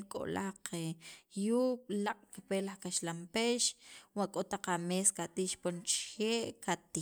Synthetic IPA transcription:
kʼo̰laqejuːɓlaqʼkipelaχkaʃlampeʃwaʔkʼot̪aq͡χameːskat̪iʃpont͡ʃxeːʔkʰat̪i

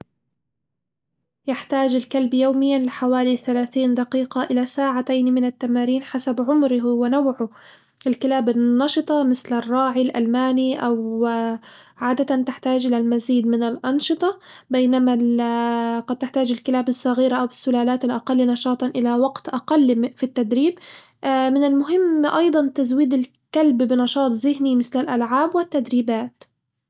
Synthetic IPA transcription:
jɪħt̪aːd͡ʒɪlkalbjoːmɪjːanlɪħawaːliθalaːθiːnd̪ɑqiːqɑʔɪlasaːʕat̪ajnmɪnat̪ːamaːɾiːnħasabʕʊmɾɪɦwɪnawʕʊ | ʔɪlkɪlaːbɪnnːɑʃɨt̪ˤɑmɪθlɪrˤːɑːʕilʔa̰lmaːniʔaw | ʕaːd̪at̪ant̪ɪħt̪aːd͡ʒʔɪlalmaziːd̪mɪnɪlʔɑnʃɨt̪ˤɑbajnama | qɑd̪̚t̪ɪħt̪aːd͡ʒɪlkɪlaːbɪsˤːɑɣiːɾaʔawɪsːʊlaːlaːt̪ɪlʔaqɑlːnɑʃɑːt̪ˤʔɪlawaɡt̪ʔaqɑlːfit̪ːad̪ɾiːb | mɪnɪlmʊɦɪmːʔɑjd̪ˤɑnt̪azwiːd̪ɪl | kalbbɪnɑʃɑːt̪ˤzɪɦnimɪθlɪlʔalʕaːbwɪt̪ːad̪ɾiːbaːt̪

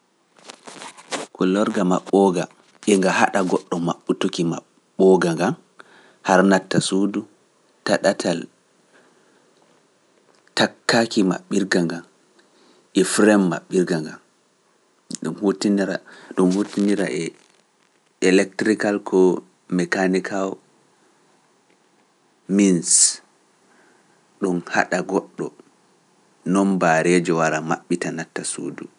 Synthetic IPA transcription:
kɔlɔɾɡama̰ɓːɔɡa | ɓɛŋɡaha̰ɗaɡɔɗːɔmaɓːutukima̰ː | ɔɡaŋɡam | haɾnatːasudu | taɗatʰal | takːakima̰ɓːiɾɡaŋɡan | ʔɛfɾɛmːa̰ɓːiɾɡaŋɡan | ɗunhotiniɾa̰ɗunhotiniɾa̰ʔɛ | ɛlɛk̚tɾikalkʰɔ | mɛkanikʰaw | mins | ɗɔnha̰ɗaɡɔɗːɔ | nɔnbaɾɛd͡ʒɔwaɾama̰ɓːitanatːasṵːdu

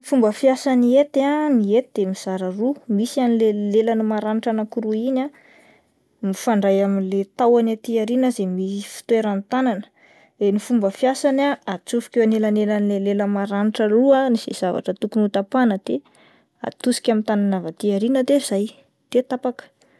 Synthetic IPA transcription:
ifumbəfijasaniet̪aniet̪id̪̥emiz̥aɾərumisanilelelanimaɾaniʈ͡ʂanakuɾuina | mifaɳɖ͡ʐajaminlet̪awanat̪iaɾinəzemiifi̥t̪ueɾant̪ananə̥ | ɾenifumbəfijasanaat͡sufi̥kʲewanelanelanileleləmaɾaniʈ͡ʂəluaniz̥ḛz̥ava̰ʈ͡ʂət̪ukunut̪apanəd̪̥e | a̰t̪usi̥kʲamint̪ananavat̪iaɾinəd̪eiz̥aj | d̪̥et̪apakə̥

